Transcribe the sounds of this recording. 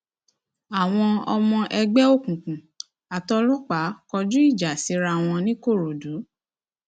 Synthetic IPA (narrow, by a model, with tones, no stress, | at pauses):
a˨w̃ɔ̃˧ɔ̰˧mɔ̃˧ʔɛ˧ɡ͡bɛ˦o˦˨kũ˨kũ˨ | a˨tɔ˧lɔ˦k͡pa˨˦kɔ˧d͡ʒu˦i˦˨d͡ʒa˨si˨˦ɾa˧w̃ɔ̃˧nĩ˦ko˦˨ɾo˨du˨˦